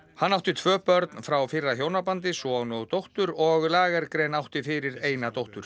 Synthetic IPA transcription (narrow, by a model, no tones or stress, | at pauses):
hanːawht̪ɪt̪ʰvœːpœɾt̪nfɾawfɪrːaçjownapant̪̬ɪsɔwnɔɣt̪owht̪ʏɾɔɣlaːɣaɾkɾejnawht̪ɪfɪːɾɪɾeːjnat̪owht̪ʏɾ̥